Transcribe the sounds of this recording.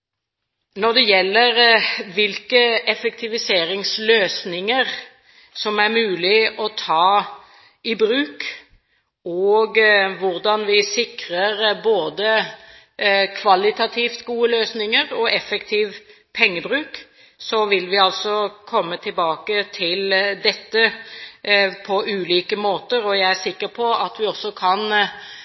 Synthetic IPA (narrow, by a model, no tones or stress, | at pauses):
nɔʁd̪ɛjɛlːəɾʋɪlkəɛfɛk̚t̪ʰɪʋɪseːɾɪŋsløːsnɪŋəʁ | sɔmæɾmʉːlɪʔɔt̪ʰɑː | ɪbɾʉːk | ɔɡʋʊʁd̪ɑnʋɪsɪkʁəɾboːd̪ə | kʰʋɑlɪt̪ɑt̪ʰiːft̪ɡuːəløːsnɪŋəɾɔɛfɛkt̪ʰiːʋ | pʰɛŋːəbɾʉːk | sɔʋɪlʋɪɑlsɔkʰɔmːət̪ʰɪlbɑːkət̪ʰɪld̪ɛt̪ːə | pʰɔʔʉːliːkəmoːt̪əɾɔjæɪæsɪkːəɾpʰɔɑt̪ʋɪɔsːɔkʰɑn